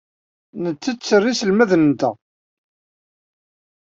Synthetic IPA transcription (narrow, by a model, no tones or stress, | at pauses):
nət͡sːət͡sːərːisəlmæðnənt̪æ